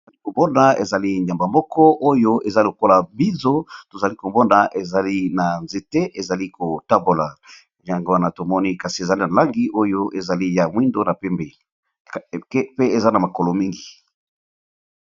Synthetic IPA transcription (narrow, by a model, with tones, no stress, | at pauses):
o˨za˨li˦ko˨mɔ˦na˨ḛ˨za˨li˦nja˨mba˨mɔ˦kɔ˦ʔo˦jo˦e˨za˦lo˨ko˦la˨bi˦nzo˦to˨za˨li˦ko˨mɔ˦na˨ʔe˨za˨li˦na˨nze˨te˦ʔe˨za˨li˦ko˨ta˦bo˨la˨ | ja˨ŋɡo˦wa˦na˨to˨mɔ˦ni˦ka˨si˨e˨za˨li˦na˨la˦ŋɡi˦ʔo˦jo˦ʔe˨za˨li˦ja˨mwi˦ndo˦na˨pɛ˦mbe˨˦ | pe˦e˨za˦na˨ma˨ko˨lo˨mi˦ŋɡi˨